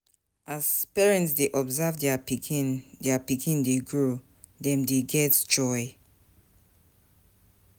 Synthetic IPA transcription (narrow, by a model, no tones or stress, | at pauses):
ʔaz̥pɛɹɛ̃ntsdeʔɔbzavdɛapikindɛəpikʰĩndeɡɹo | dɛ̃mdeɡɛtd͡ʒɔɪ